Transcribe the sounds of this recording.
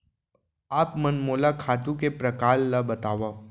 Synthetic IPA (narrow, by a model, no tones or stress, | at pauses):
aːpmɐnmoːlakʰaːt̪ũkepɾɐkaːlːabɐt̪aːʋa